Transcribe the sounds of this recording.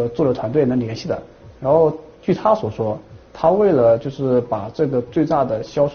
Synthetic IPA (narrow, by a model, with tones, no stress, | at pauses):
t͡swɔ˥˩lə˩t̪ʰwa˧˥nt̪we˥˩ɪnə˧˥ŋljɛ˧˥nɕi˥˩d̪ə̰˩ | ɻa˧˥nxo˥˧ʊt͡ɕy˥˩t̪ʰa˥swɔ˨˩ʂwɔ˥t̪ʰa˥we˥˩ɪlə˩t͡ɕjo˥˧ʊʂɻ̩˥˩pa˨˩ʈ͡ʂɤ˥˩ɡə˩t͡swe˥˧ɪt̪a˥˩d̪ə˩ɕjɑ˥ʊʂ